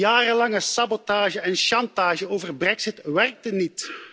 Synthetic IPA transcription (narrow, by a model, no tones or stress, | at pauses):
jaːrəlɑŋəsɑbotaːʒəɛnʃɑntaːʒəoːvərbrɛksɪtʋɛrk̚tənːit